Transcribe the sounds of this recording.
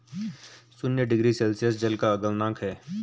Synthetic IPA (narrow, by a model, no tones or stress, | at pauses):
sʊnjəɖɪɡɾisɛlsijəsd͡ʒəlkaɐɡəlnãːkʰɦɛː